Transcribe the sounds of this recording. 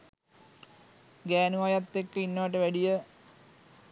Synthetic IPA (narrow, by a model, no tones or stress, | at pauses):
ɡæːnuʋajat̪ːekːəinːɐʋaʈ̬əʋæɖijə